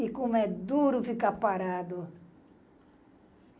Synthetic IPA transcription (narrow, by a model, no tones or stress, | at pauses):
ikumɛd̪uɾufikapaɾad̪u